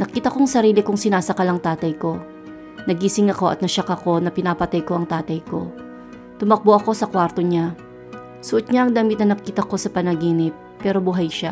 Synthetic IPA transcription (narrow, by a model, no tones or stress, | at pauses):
nɐkiːt̪ɐkoŋsɐɾiːlɪkʊŋsɪnaːsɐkɐlɐŋt̪aːt̪ɐjko̞ | nɐɡiːsɪŋɐko̞ʔɐ̰t̪̚nɐʃɐkɐko̞nɐpɪnaːpɐt̪ajko̞ʔɐŋt̪aːt̪ɐjko̞ | t̪ʊmɐk̚boʔɐko̞sɐkwaɾt̪o̞ɲa | sʊʔot̪̚ɲaʔɐŋd̪aːmɪt̪̚nɐnɐkiːt̪ɐko̞sɐpɐnɐɡiːnɪt̪̚pɛːɾo̞bʊɦajʃa